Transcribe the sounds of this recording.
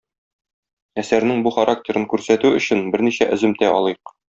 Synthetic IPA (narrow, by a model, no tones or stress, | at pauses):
æsæɾnɘŋbuχɐɾʔaktʲe̞ɾɤŋkʉɾsæt̪ʉɵ̆ɕɘnbɘɾniɕæʔɵ̆zɘ̆mt̪æɒlˠɤjq